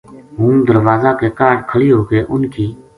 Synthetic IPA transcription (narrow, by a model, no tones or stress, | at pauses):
ɦũːd̪əɾʋaːzaːkeːkaːɖkʰəɭiːɦoːkeːʔʊnkʰiː